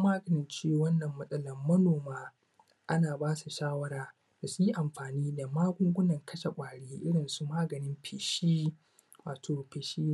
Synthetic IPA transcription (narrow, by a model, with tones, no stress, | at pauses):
maː˦ɡɐ˨nɪ˦nt͡ʃeː˦˨wɐ˦nːɐ˨mːɐ˦sʼɐ˦lɐ˨mːɐ˦noː˨maː˦ | ʔa˦naː˨baː˦su˨ʃaː˦wɐ˦ɽaː˦ | da˨su˦ji˦ʔa˨mɸaː˨niː˦da˨maː˦ɡʷʊ˦ŋɡʷʊ˦nɐ˨ŋkʰɐ˦ʃa˨kʷʼaː˨ɽeː˦ʔɪ˦ɽɪ˨nsu˦maː˦ɡɐ˨nɪ˦mɸʰɪː˨ʃi˦ | waː˨tʰoː˨ɸeː˨ʃiː˦